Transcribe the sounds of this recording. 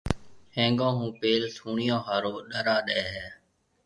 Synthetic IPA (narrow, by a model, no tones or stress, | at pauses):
hẽːŋɡõːɦũːpeːlsʰuːɳɪjõːɦaːɾoːɗəɾaːɗɛːɦɛː